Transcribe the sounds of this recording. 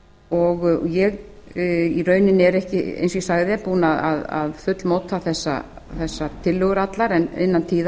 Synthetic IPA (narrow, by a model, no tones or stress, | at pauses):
ɔɣjɛɣ | irœːɥnɪnɛɾɛhcɪḛjnsisaɣðɪɛpuːnaða̰ða̰ðfʏt̪lmoːwt̪ʰːaθɛsːa̰ | θɛsːat̪ʰɪlːʏɣʏɾat̪laɾɛnɪ̰nːant̪ʰiːða